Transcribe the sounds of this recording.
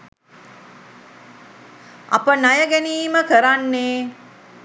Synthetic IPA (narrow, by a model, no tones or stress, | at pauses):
a̰pənajəɡæniːməkəɾanːeː